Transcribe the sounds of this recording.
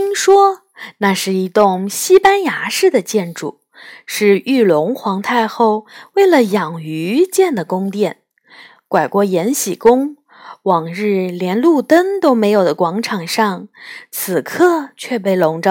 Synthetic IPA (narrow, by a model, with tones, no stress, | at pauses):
i˥ŋʂwɔ˥ | na˥˧ʂɻ̩˥˩i˧˥t̪ʊ˥˩ŋɕi˥pa˥nja˧˥ʂɻ̩˥˩d̪ə˩t͡ɕjɛ˥˩nʈ͡ʂṵ˥˩˦ | ʂɻ̩˥˧y˥˩lʊ˧˥ŋxwɑ˧˥ŋt̪ʰa˥˧ɪxo˥˧ʊwe˥˩ɪlə˩jɑ˨˩ŋy˧˥t͡ɕjɛ˥˩nd̪ə˩kʊ˥ŋt̪jɛ˥˩n | kwa˨˩ɪkwɔ˥˩jɛ˧˥nɕi˨˩kʊ˥ŋ | wɑ˨˩ŋɻɻ̩˥˩ljɛ˧˥nlu˥˩t̪ə˥ŋt̪o˥ʊme˧˥ɪjo˨˩ʊd̪ə˦kwɑ˧˥ŋʈ͡ʂʰɑ˨˩ŋʂɑ˥˩ŋt͡sʰɹ̩˨˩kʰɤ˥˩t͡ɕʰɥɛ˥˧p̬e˥˩ɪlʊ˧˥ŋʈ͡ʂə˧